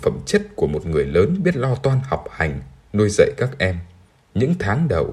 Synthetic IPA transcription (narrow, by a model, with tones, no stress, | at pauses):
fə̰˧˩mt͡ɕə˦˥t̚ku˧˩əmo˨˩t̚ŋɨ˨˩əjləː˨˦nɓi˦˥ət̚lɔ˧t̪waː˧nha˨˩wk͡p̚ha˨˩jŋ̟nu˧jzə̰˧˨jkaː˦˥k̚ʔɛ˧m | ɲɨ̰˧˥ŋt̪ʰaː˨˦ŋɗə̰˨˩w